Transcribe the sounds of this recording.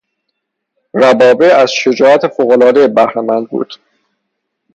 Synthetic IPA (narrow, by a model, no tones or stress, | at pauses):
ɾæbɒːbeæz̥ʃe̞d͡ʒɒːæt̪ʰefoːɣolɒːd̪ejbæhɾemænd̪̚bṵːd̪̥